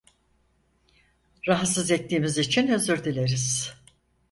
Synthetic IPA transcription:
ɾaɦat̪sɯzɛt̪ʰːiːmizit͡ʃʰinøzyɾd̪ilʲe̞ɾiz̥

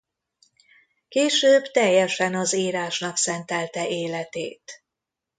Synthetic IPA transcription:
keːʃøːbt̪ɛjːɛʃɛnɒziːɾaːʃnɒksɛnt̪ɛlt̪ɛʔeːlɛt̪ḛːt̪

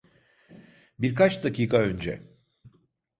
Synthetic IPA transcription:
biɾkat͡ʃd̪aciːkʰaønd͡ʒɛ̰

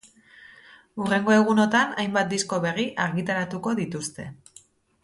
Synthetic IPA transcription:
ure̞ŋɡo̞e̞ɣ̞uno̞t̪anajmbat̪̚d̪isko̞βe̞riʔaɾɣit̪aɾat̪uko̞ðit̪ust̪e̞

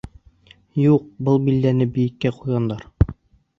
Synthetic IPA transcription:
juq̚bɤlˠbild̪ænɘbɘ̆jɘ̆kːæqujʁɑnd̪ɑɾ

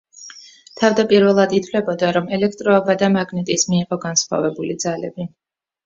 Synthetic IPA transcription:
t̪ʰavd̪apʼiɾvɛlˠad̪it̪ʰfvlɛbɔd̪aɾɔmɛlɛk̚ʰt̪ʼɾɔɛbad̪amaɡnɛt̪ʼismiːʁɔɡansχwa̰vɛbulid̪zalɛbi

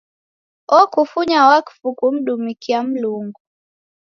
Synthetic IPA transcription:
ɔkufuɲawakfukum̩ɗumikiam̩luŋɡu

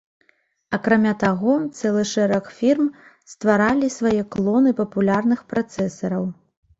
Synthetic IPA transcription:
ɐkɾamʲat̪aɣɔt̪sɛlˠɨʂɛɾɐkfʲirmst̪vaɾalʲisvajɛklˠɔnɨpɐpulʲarnɨxpɾat̪sɛsɐɾɐw

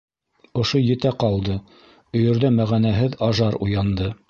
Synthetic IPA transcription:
ŏʃojɘ̆t̪æqɑlˠd̪ɤ | ɵ̆jɵ̆ɾðæmæʁænæɦɘðɑʒɑɾṵjɑnd̪ɤ

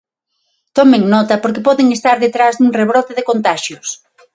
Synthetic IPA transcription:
t̪ɔmeŋnɔt̪ɐpoɾkɪpɔðeŋest̪aɾðet̪ɾazðuŋreβɾɔt̪ɪðɪkont̪aʃjʊs

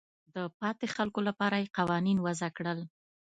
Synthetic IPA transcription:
d̪əpɑt̪exalkolapɑɾajeqɑwɑninwazakɽəl

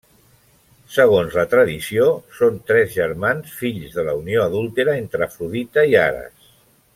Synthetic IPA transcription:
səɣonzlət̪ɾəðisiosont̪ɾɛzʒəɾmansfiʎzðələunioəðulˠt̪eɾəent̪ɾəfɾuðit̪əia̰ɾə̰s

